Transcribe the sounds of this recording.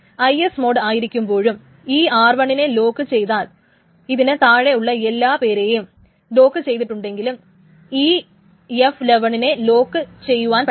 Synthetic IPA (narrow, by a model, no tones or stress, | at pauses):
ɐjesmo̞ːɖaːjiɾikʲːumbo̞ːɻum | iːaːrʋɐɳine̞lo̞ːkːɨt͡ɕe̞jt̪aːl | iðinet̪aːɻe̞uɭːɐelːaːpe̞ːɾe̞ːjum | lo̞ːkːɨt͡ɕe̞jt̪̬iʈːuɳɖe̞ŋɡilum | iː | efleʋɐɳine̞lo̞ːkːɨt͡ɕe̞jːuʋaːnpɐ